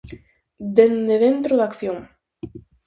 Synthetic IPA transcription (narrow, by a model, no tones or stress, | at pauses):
d̪end̪eðent̪ɾoðakθjoŋ